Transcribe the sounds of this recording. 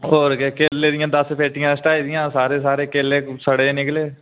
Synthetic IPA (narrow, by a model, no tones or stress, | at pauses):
oːɾkekeːleːd̪ɪjãːd̪əspʰeːʈɪjãːsʈaːiːd̪ɪjãːsaːɾeːsaːɾeːkeːleːsəɽeːnɪkleː